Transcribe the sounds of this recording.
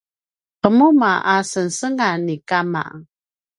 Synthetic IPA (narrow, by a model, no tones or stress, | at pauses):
qəmumaʔasənsəŋanːikama̰